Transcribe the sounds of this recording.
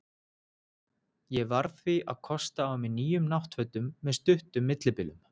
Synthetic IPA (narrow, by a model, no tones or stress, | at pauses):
jɛvaɾθviʔaðkʰɔst̪aːwmɪniːjʏmnawht̪fœt̪ʏmːɛðst̪ʏht̪ʏmːɪt̪lɪpɪlʏ̰m